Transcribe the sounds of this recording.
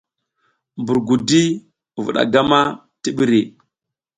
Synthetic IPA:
mbu˨ɾɡu˨di˦˨ | vṵ˨ɗa̰˨ɡa˦ma˦ | ti˦ɓi˦ɾi˨

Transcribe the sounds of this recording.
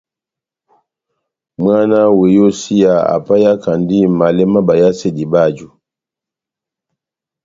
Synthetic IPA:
mwa˦na˦we˨jo˦si˦ja˨a̰˨pa˦ja˦ka˨ndi˦ma˨lɛ˦ma˦ba˨ja˦se˦di˨ba˦˨d͡ʒu˨

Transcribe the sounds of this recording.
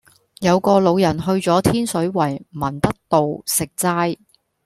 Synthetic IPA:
jɐ˨˧wkɔː˧lo˨˧wjɐ˨˩nɦɵ˧ɥt͡sɔː˨˥t̪ʰiː˥nsɵ˨˥ɥwɐ˨˩jmɐ˨˩nt̪ɐ˥k̚t̪o˨wsɪ˨k̚t͡saː˥j

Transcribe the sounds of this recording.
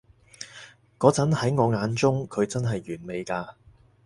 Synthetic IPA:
kɔː˨˥t͡sɐ˨˥nhɐ˨˥jŋɔː˨˧ŋaː˨˧nt͡sʊ˥ŋkʰɵ˨˧ɥt͡sɐ˥nɦɐ˨jːyː˨˩nme˨˧jkaː˧

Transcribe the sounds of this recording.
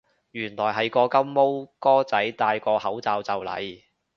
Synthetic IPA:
jyː˨˩nlɔː˨˩jɦɐ˨jkɔː˧kɐ˥mmo˥wkɔː˥t͡sɐ˨˥jt̪aː˧jkɔː˧hɐ˨˥wt͡saː˧wt͡sɐ˨wlɐ̰˨j

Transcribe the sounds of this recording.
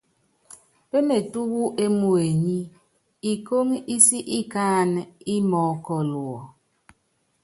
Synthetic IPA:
pe˦me˨tu˦ɣu˦ʔe˦mu˨e˨ɲi˦ | i˨ko˦ŋi˦si˦ʔi˦kaː˦˨ni˦mɔ˨˦kɔ˨lwɔ˨

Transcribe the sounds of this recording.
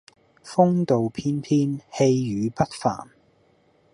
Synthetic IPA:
fʊ˥ŋt̪o˨wpʰiː˥npʰiː˥nhe˧jjyː˨˧pɐ˥t̚fa̰ː˨˩n

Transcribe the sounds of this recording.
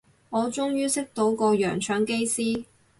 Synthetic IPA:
ŋɔː˨˧t͡ʃʊ˥ŋjyː˥sɪ˥k̚t̪o˨˥wkɔː˧jœ̰ː˨˩ŋt͡ʃʰœː˨˥ŋke˥jsiː˥

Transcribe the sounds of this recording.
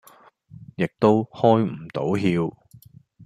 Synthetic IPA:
jɪ˨k̚t̪o˥whɔː˥jm̩˨˩t̪o˨˥wɦiː˧w

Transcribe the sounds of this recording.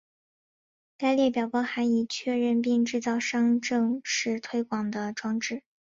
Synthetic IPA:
ka˥˧ɪljɛ˥˩pjɑ˨˩ʊpɑ˥xa˧˥ni˨˩t͡ɕʰɥɛ˥˧ɻə˥˧np̬i˥˧ŋʈ͡ʂɻ̩˥˧t͡sɑ˥˩ʊʂɑ˥ŋʈ͡ʂɤ˥˧ŋʂɻ̩˥˧t̪ʰwe˥ɪkwɑ˨˩ŋd̪ə˦ʈ͡ʂwɑ˥ŋʈ͡ʂɻ̩˥˩

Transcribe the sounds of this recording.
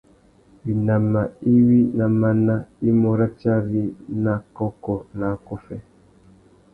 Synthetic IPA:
wi˨na˨ma˨i˦wi˦na˨ma˦na˦i˦mɔ˨ɾa˦t͡ʃa˦ɾi˦na˨kɔ˦kɔ˨na˨˦kɔ˦fɛ˦

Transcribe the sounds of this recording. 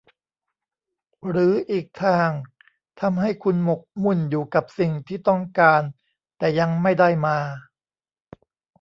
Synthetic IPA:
ɾɯː˩˦ʔiː˨˩k̚t̪ʰaː˥˩ŋ | t̪ʰa˧mɦa˥˩jkʰu˧nmo˨˩k̚mu˥˩njuː˨˩ka˨˩p̚si˨˩ŋt̪ʰiː˥˩t̪ɔ˥˩ŋkaː˧n | t̪ɛː˨˩ja˧ŋma˥˩jda˥˩jmaː˧

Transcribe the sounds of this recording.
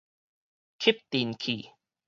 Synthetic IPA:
kʰi˦˥p̚t̪i˧nkʰi˨˩

